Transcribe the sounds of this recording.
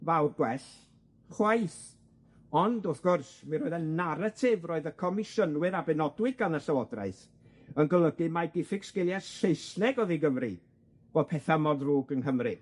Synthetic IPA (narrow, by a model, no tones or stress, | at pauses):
vawrɡwɛɬ | χwaɨθ | ɔndoθɡ̥ʊrsminɾɔːɨðənnːaɾatʰɪvroːɨðəkʰɔmɪʃənwɨɾabɛnɔdwɪɡanəɬawɔdra̰ɨθ | ənɡəlˠəɡɨmaɡɪfɪɡskɪlˠjasejsnɛɡɔðiɡəvrḭ | b̥ɔdpʰɛθamɔdruːɡənhəmri